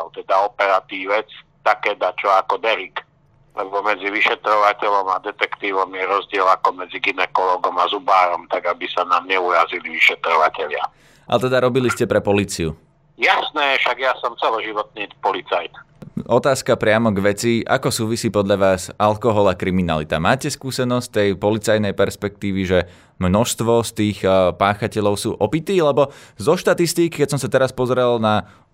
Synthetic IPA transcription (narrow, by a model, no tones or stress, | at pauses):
ɔlt̪ɛd̪aɔpɛɾat̪iːʋɛt͡st̪akɛːd̪at͡ʃɔakɔd̪ɛɾik | lʔɛbɔmɛd͡ziʋiʃɛt̪ɾɔʋacɛʎɔmad̪ɛt̪ɛkt̪iːʋɔmjɛɾɔzɟɪɛlakɔmɛd͡ziɡinɛkɔlɔːɡɔmazubaːɾɔmt̪aɡabisanaːmɲɛuɾaziliʋiʃɛt̪ɾɔʋacɛʎɪa̰ | ʔat̪ɛd̪aɾɔbiliscɛpɾɛpɔliːt͡siu | jasnɛfʃaɡjasɔmt͡sɛlɔʒiʋɔt̪̚niːpɔlit͡sajt̪ɔt̪aːskapɾɪamɔɡʋɛt͡siʔa̰kɔsuːʋisiːpɔd̪ʎaʋaːsalkɔɦɔlakɾimina̰lit̪a̰maːcɛskuːsɛnɔst̪ɛjpɔlit͡sajnɛjpɛɾspɛk̚t̪iːʋiʒɛ | mnɔʃst̪ʋɔst̪iːxpaːxacɛʎɔʊsṵːʔɔpit̪iːlɛbɔzɔʃt̪at̪ist̪iːkkɛcsɔmsat̪ɛɾaspɔzɾɛlna